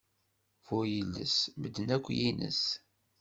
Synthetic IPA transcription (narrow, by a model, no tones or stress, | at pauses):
fʊjəlːə̰sməd̪ːənækʷːjinə̰s